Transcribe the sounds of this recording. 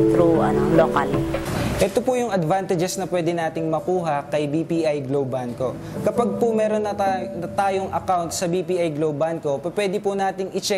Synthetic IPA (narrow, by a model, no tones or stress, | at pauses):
t̪ɾuʔɐnolokalʔɛt̪opʊjʊŋɐd̪vant̪ɐd͡ʒɛsnɐpwɛːd̪ɛnaːt̪ɪŋmɐkuːɦɐkɐjbiːpiːʔajɡlowbanko̞ | kɐpaɡ̚pʊmɛːɾonːɐaɐt̪aːjoŋʔɐkawnt̪̚sɐbiːpiʔajɡlowbanko̞pɐpwɛːd̪ɪpʊnaːt̪ɪŋɪt͡ʃɛ